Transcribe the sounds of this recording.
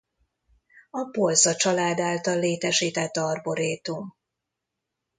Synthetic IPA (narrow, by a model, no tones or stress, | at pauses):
ɒpo̞lzɒt͡ʃɒlaːd̪aːlt̪ɒlːeːt̪ɛʃiːt̪ɛt̪ːɒrbo̞ɾeːt̪um